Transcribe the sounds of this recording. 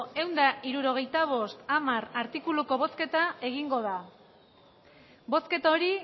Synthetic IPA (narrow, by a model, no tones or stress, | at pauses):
e̞wnd̪aʔiɾuɾo̞ɣ̞e̞jt̪aβ̞o̞st̪amaraɾt̪ikuluko̞βo̞ske̞t̪ae̞ɣ̞iŋɡo̞ð̞a | bo̞ske̞t̪aoɾi